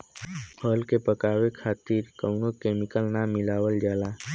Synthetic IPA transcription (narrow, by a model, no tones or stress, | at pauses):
hɔːlkepəkaːwekʰaːt̪iːɾkəʊnokeːmɪkəlnamɪlaːwəld͡ʒaːlaː